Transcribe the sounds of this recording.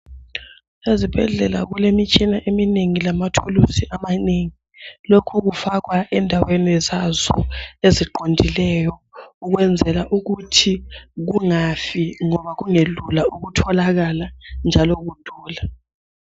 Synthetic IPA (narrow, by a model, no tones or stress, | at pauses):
ezib̥ʱɛ̰ɮɛla̰ɣulemit͡ʃʼinaʔemineŋilamatʰulusiʔamaneːŋi | lokʰuɣufaɣwaʔɛndʱawenizazɔ̰eziǃondʱilɛjɔuɣwɛnd͡zʱɛlaʔuɣutʰiɣuŋafiŋɔβaɣuŋelulauɣutʰɔlaɣaland͡ʒʱalɔɣud̥ʱɔːla